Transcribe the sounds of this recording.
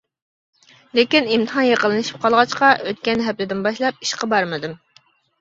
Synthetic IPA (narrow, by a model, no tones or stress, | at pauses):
lekʲinimt̪əɦɑnjeqəlˠɨnɨʃi̥p̚qʰɑlˠʁɑt͡ʃqɑøt̪̚kʲɛnɦɛplɪd̪ɪnbɑʃlˠɑp̚i̥ʃqɑbɑɾmɨd̪ɨm